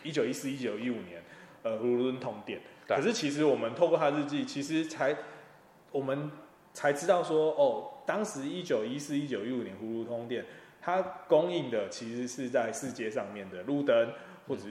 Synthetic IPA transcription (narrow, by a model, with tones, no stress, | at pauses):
i˦˥t͡ɕjo˨˩ʊi˦˥sɹ̩˥˧i˦˥t͡ɕjo˨˩ʊi˦˥u˨˩njɛ˧˦nə˧˩xu˧˥u˦nt̪ʰo˧˥ŋt̪jɛ˥˩nkʂ̬ɻ̩˥˩t͡ɕʰi˧˥ʂ̬ɻ̩˧˦wɔ˨˩mə˨˦nt̪ʰo˥˧kwɔ˥˧t̪ʰa˥ɻɻ̩˥˧t͡ɕi˥˩t͡ɕʰi˧˥ʂɻ̩˧˦t͡sʰa˧˦ɪ | wɔ˨˩mə˨˦n | t͡sʰa˧˥ɪʈ͡ʂɻ̩˥t̪ɑ˥˩ʊswɔ˥ɔ˥˩t̪ɑ˥ŋʂɻ̩˧˦i˦˥t͡ɕjo˨˩ʊi˦sɹ̩˥˧i˦t͡ɕjo˨˩ʊi˦˥u˨˩njɛ˦nxu˧˥lu˥˧t̪ʰo˥ŋt̪jɛ˥˩n | t̪ʰa˦ko˦ŋi˥˩ŋd̪ə˨t͡ɕʰi˧˥ʂɻ̩˧˥ʂɻ̩˥˧t͡sa˥˧ɪʂɻ̩˥˧t͡ɕjɛ˥˧ʂɑ˥˧ŋmjɛ˥˩nd̪ə˩lu˥˨t̪ə˦n | xwɔ˥˩ʈ͡ʂ